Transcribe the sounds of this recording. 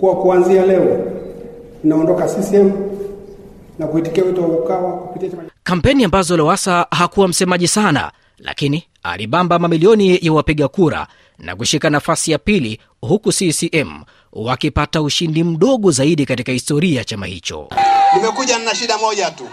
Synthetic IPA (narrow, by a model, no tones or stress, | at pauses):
kuwakuanzialɛɔ | ninaɔndɔkasisiɛmu | nakuiti̥kiawituwawɔukawakupitiat͡ʃakam̩pɛniambazɔlɔwasahakuwam̩sɛmaʄisana̰ | la̰kini | a̰liɓambamamiliɔnijawapiɠakuɾa̰ | na̰kuʃikanafasijapili | hukusisiʔɛm̩ | wakipatauʃindim̩ɗɔɠɔzaiɗikatikahistɔɾiajat͡ʃama̰hḭt͡ʃɔ̰nimɛkuʄannaʃiɗamɔʄatu